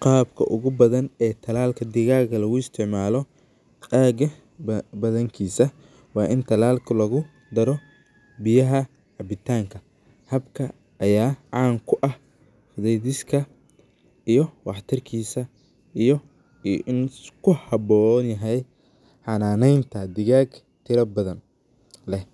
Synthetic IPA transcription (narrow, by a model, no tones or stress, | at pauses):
qɑːbkʰɐ̰ʔʊɣʊbɐðɐnɛːt̪ʰɐlaːlkʰɐd̪ɪɣaːɣɐlɐɣʊɪst̪ʰɪʕmaːlɔ | aːɡɐ | bɐðɐŋkʰiːsɐ | wɑːʔɪnt̪ʰɐlaːlkʰɐlɐɣʊ | d̪ɐɾɔ | bɪjɐɦɐ | ʕɑbɪt̪ʰaːŋkʰɐ | hɐbkʰɐ | ʔɐjaːʕɑːŋkʰʊʔɐh | fʊðɛjðɪskʰɐ | ijɔwɑħt̪ʰɪrkʰiːsɐ | ijɞ | ɪnkʰʊhɑbɔnjɐɦɛj | ħɑnaːnɛjnt̪ʰɐd̪ɪɣaːɡ | t̪ʰɪɾɐbɐðɐn | lɛ